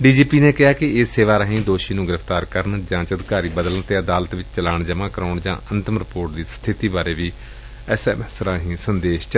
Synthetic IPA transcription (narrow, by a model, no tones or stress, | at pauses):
ɖiːd͡ʒiːpiːneːkɪɦaːkɪɪsːeːʋaːɾãːɦĩːd̪oːʃiːnũːɡɪɾəfʰt̪aːɾkəɾnd͡ʒãːt͡ʃəd̪ɪkaːɾiːbəd̪ələɳt̪eːəd̪aːlət̪ʋɪt͡ʃt͡ʃəlaːɳd͡ʒəmãːkəɾaːɳd͡ʒã̰ːʔənt̪əmɾɪpoːɾʈ̚d̪iːst̪ʰɪt̪iːbaːɾeːʋiː | ɛsɛːmɛsɾãːɦĩːsənd̪eːʃt͡ʃ